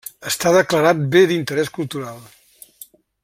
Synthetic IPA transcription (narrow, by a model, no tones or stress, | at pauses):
əst̪aðəkləɾat̪̚beðint̪əɾɛskulˠt̪uɾalˠ